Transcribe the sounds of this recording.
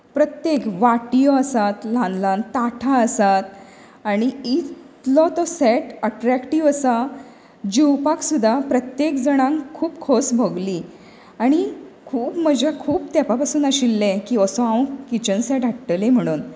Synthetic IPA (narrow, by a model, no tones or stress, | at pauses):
pɾət̪jekʋaʈijɔəsat̪lãnd̪lant̪aʈʰaəsat̪̚ | aɽ̃iit̪lɔt̪ɔsɛʈəʈɾækʈiʋəsa | d͡ʑiwpaksud̪ʱːapɾət̪jekd͡zəɽ̃ãŋkʰːuːpkʰosbʱəɡliː | aɽ̃ikʰuːpməd͡ʑʱakʰuːpt̪apapasuːnəɕilːɛ̃kiːəsɔãwkit͡ɕənsɛʈɦaʈʈəlẽm̤əɽ̃uːn